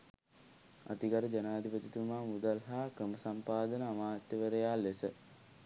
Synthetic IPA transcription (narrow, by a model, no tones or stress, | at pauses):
a̰t̪iɡaɾəd͡ʒanaːd̪ʱipət̪it̪umaːmud̪alɦaːkɾəməsampaːd̪ənəamaːt̪jəʋəɾəjaːlesə